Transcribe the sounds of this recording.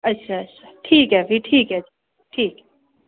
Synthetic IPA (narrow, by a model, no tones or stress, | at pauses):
ɐtːʃʰaɐtːɕʰḁʈʰiːkɦɛfiʈʰiːkɦɛ | ʈʰiːkɛ